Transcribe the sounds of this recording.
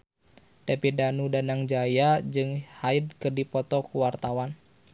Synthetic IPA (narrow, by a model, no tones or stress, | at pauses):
dapidanudanaŋd͡ʒajad͡ʒɨŋhaid̪̚kərdipɔt̪ɔkuwart̪awan